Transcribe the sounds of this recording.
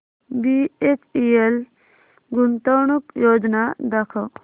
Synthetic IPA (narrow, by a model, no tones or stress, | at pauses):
biet͡ʃiel | ɡunt̪ɔwɳukjoːd͡ʒnad̪akʰaw